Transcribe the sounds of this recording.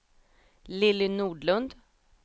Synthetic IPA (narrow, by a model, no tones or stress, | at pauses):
lɪlːɪnuːɖlɵnd̪